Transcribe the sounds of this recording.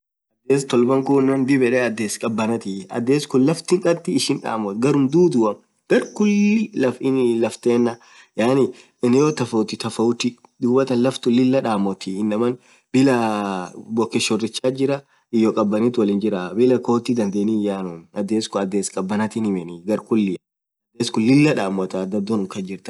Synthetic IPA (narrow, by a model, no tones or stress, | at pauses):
ɐd̪ːeːst̪ɔlbɐŋkʊnːɐnbɪbɛᶑɛɐd̪ːeːskʼɐbːɐnɐt̪ɪɐ̰d̪ːeːskʊnlɐft̪ɪŋkʼɐt̪ːɪːʃɪnᶑa̰ːmɔt̪ɡɐɾʊmd̪uːd̪uɐm | ɡ̥ɐɾkʊlːɪlɐfɪnɪlɐft̪eːnːɐ | jaːnɪ | ɪnːɪjoːt̪ɐfɐt̪ɪt̪ɐfɐʊt̪ɪd̪uːbɐt̪ɐnlɐft̪ʊlːɪlːɐᶑaːmːɔt̪ɪːnːɐmɐn | bɪlɐ | bɔkːɪʃɔrːɪt͡ʃːaːd͡ʒɪɾɐ | ɪjːɔkʼɐbːɐniːt̪wɐlɪːnd͡ʒɪɾabɪlɐkoːt̪id̪ɐnd̪eːniɪjaːnunɐd̪ːeːskɔɐd̪ːeːskʼɐbːɐnɐt̪ɪnɪmɛniɡɐɾkʊlːɪ | ɐd̪ːeːskʊlːɪlːɐᶑaːmːɔt̪ɐːd̪ːɐd̪ːonʊmkɐd͡ʒɪɾt̪ɐ̥